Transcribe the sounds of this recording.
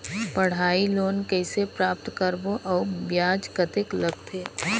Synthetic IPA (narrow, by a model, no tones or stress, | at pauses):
pəɽ̤aːiloːnkɛɪsepɾaːp̚t̪kəɾboʔɔːbjaːd͡ʒkət̪ɪkləɡ̚t̪ʰeː